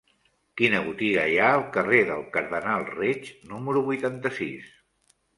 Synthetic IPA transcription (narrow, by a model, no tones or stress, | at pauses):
kinəɣ̞ut̪iɣəjaəlˠkəreðəlˠkəɾðənalˠret͡ʃnuməɾuβujt̪ant̪əsis